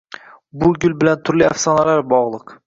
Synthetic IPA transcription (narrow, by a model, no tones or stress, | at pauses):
bʊɡʲʊlˠbɪlant̪ʰʊɾlia̰fsɒnalaɾbɒʁlˠɨq